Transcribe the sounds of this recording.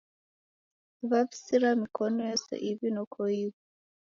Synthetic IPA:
βaβi̥siɾamikʰɔnɔjɔsɛ̰ʔiβinɔkʰɔiβɔ

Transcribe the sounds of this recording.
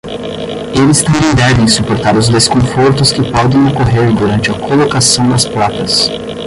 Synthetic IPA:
elɪst̪ɐ̃mbẽj̃d̪ɛvẽj̃supoɾt̪aɾʊzd̪eskõfoɾt̪ʊskɪpɔd̪ẽj̃okoɦeɾd̪uɾɐ̃nt͡ʃɪɐkʰolokasɐ̃w̃d̪ɐsplat̪ɐs

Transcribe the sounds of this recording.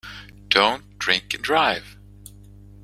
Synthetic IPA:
d̥õʊ̃nd̥ɹɪ̃ŋkɨ̃ndɹaɪv̥

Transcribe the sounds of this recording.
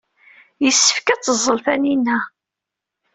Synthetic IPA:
jəsːə̥fkæt͡sːəzˤːəlθæninːæ

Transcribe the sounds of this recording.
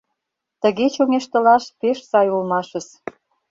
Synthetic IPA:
t̪ə̆ɣet͡ɕoŋeʃt̪ə̆lɑʃpeʃsɑjulmɑʃə̆s

